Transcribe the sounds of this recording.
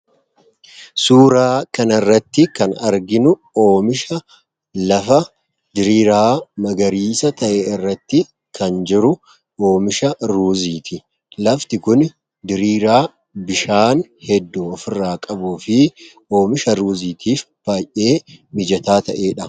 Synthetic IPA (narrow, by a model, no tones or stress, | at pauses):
suːɾaːkɐnɐrːɐt̪ːɪkɐnɐɾɡɪnʊ | o̞ːmɪʃɐ | lɐfɐ | d̪ɪɾiːɾaːmɐɡɐɾiːsɐt̪ɐʔeːɪrːɐt̪ːɪ | kʰɐnd͡ʒɪɾʊ | ʔo̞ːmɪʃɐɾuːziːt̪ɪ | lɐft̪ɪkʊn | d̪ɪɾiːɾaː | bɪʃaːnhɛd̪ːuɔfɪrːaːkʼɐbuːfɪ | o̞ːmɪʃɐɾuːziːt̪iːfb̥aːjʔe̞ːmɪd͡ʒɐt̪aːt̪ɐ̰ʔe̞ːᶑɐ